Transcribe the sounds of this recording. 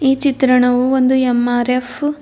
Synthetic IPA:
iːt͡ʃit̪ɾɐɳɐʋuond̪uemaːɾef

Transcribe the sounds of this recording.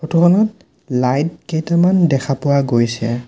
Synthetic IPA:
xotuxʰɔnɔt | lajd̚kejtamandɛkʰapʊwaɡojsɛ

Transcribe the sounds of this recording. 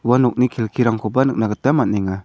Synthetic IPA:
uwanɔk̚nikʰilkʰiɾaŋkʰɔbanɯk̚naɡət̪amat̚nɛŋa

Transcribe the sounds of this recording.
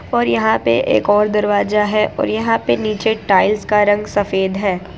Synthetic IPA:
ɔːɾjɐɦãpeʔḛːkɔːɾd̪ɐɾʋaːzaɦɛʔʔɔ̰ːɾjɐɦãpeniːt͡ʃeʈaːɪlskaɾɐ̃ŋɡsɐfeːd̪ɦɛː

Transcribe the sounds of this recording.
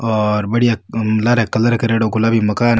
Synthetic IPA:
ɔːɾbɐɽijalaɾekɐlɐɾkɐɾeːɽoɡʊlaːbimɐkaːn

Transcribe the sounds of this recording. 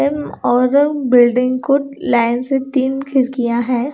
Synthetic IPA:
ɛmɔːɾbɪlɖɪ̃ŋɡkolaːɪnseʈiːnkʰɪɾkijaɦɛː

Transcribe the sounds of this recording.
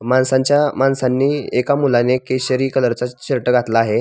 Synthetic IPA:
mansãɲt͡ɕjamansanːiːekamulanekeɕəɾiːkələɾt͡saɕiɾʈəɡʱat̪laːɦe

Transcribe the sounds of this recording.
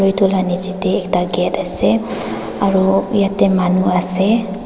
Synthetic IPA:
ojtʰulanit͡ʃitɛːktaɡɛtasɛ | aɹuijatɛmanuasɛ

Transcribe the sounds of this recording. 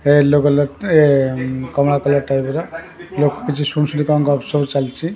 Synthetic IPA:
elokɔlɔekɔmɽakɔlɔʈajbɾa | lokɔ̥kit͡ʃʰisunsulikɔŋkɔɔpsɔbt͡ʃalt͡ʃʰi

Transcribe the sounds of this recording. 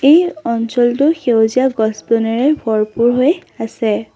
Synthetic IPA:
ejɔnsɔltʊxewziaɡɔsbɔnɛɹɛbʱɔɹpuɹɦojasɛ

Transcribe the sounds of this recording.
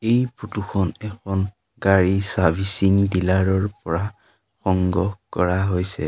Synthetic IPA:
ejputuxʰɔnɛkʰɔn | ɡaɹisabʱisiŋdilaɹɔɹpɔɹa | xɔŋɡɔkɔɹaɦojsɛ̰

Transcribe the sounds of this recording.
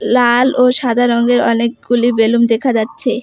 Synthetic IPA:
laloʃad̪ʱaɾɔŋɡeɾɔnek̚ɡulibelumd̪ekʰad͡ʑatːɕʰe

